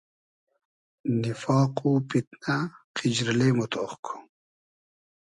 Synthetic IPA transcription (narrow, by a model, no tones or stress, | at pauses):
nifɑːqupit̪̚naqʰid͡ʑɾilemot̪ʰoχkʰu̥